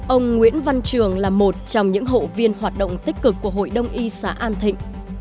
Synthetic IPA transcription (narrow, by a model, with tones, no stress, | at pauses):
ʔə˧wŋ͡mŋwḭ˧˥ənva˧nt͡ɕɨ˨˩əŋlaː˨˩mo˨˩t̚t͡ɕɔ˧wŋ͡mɲɨ̰˧˥ŋɦo̰˧˨vi˧ənɦwaː˨˩t̚ɗə̰˧˨wŋ͡mt̪i˦˥k̟̚kɨ˨˩kːu˧˩əɦo̰˧˨jɗə˧wŋ͡mʔi˧sa̰ː˧˨˦ʔaː˧nt̪ʰḭ̈˧˨ŋ̟